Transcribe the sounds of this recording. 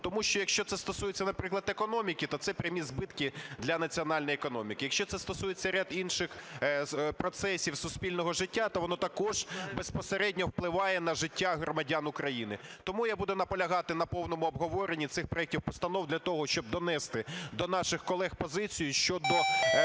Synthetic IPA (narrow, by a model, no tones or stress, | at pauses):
t̪ɔmuʃt͡ʃɔjɐkʃt͡ʃɔt̪sɛst̪ɔsujet͡sʲːɐnɐpɾɪklˠɐd̪ekɔnɔmʲikʲɪt̪ɔt̪sɛpɾʲɪmʲizbɪt̪kɪd̪lʲɐnɐt͡sʲiɔnɑlʲnjiɛkɔnɔmʲikɪjɐkʃʲt͡ʃɔsɛst̪ɔsujet͡sʲːɐɾʲad̪inʃɪx | pɾɔt̪sɛsʲiwsʊsʲpʲilʲnɔɦɔʒɪtʲːat̪ɔʋɔnɔt̪ɐkɔʒ̥bespɔseɾɛdʲnʲɔwplˠɪʋɑjɛnɐʒɪtʲːaɦɾɔmɐdʲanʊkɾɐjinɪt̪ɔmujabud̪ɛnɐpɔlʲɐɦɑt̪ɪnɐpɔwnɔmʊɔbɦɔʋɔɾenʲːit̪sɪxpɾɔɛk̚tʲiwpɔst̪ɐnɔwd̪lʲɐt̪ɔɦɔʃt͡ʃɔb̚d̪ɔnɛst̪ɪd̪ɔnɑʃɪxkɔlˠɛxpɔzɪt͡sʲijʊʃt͡ʃɔd̪ɔ